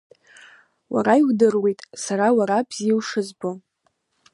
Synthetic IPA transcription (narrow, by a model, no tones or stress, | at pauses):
wa̰ɾaihʷdɨrwejtʼsaɾawaɾabz̥iwʂɨzbo